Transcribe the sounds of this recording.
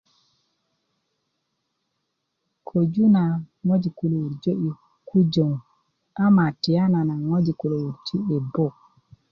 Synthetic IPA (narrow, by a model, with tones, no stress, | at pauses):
kʰo˨d͡ʒu˦na˨ŋo˦d͡ʒi˨ku˨lo˨wu˨ɾd͡ʒo˦ʔi˨ | kʰu˦d͡ʒo˨ŋ | a˦ma˨ti˨ja˦na˨na˨ŋo˦d͡ʒi˨ku˨lo˨wu˨ɾt͡ʃi˦e˨bo˦˨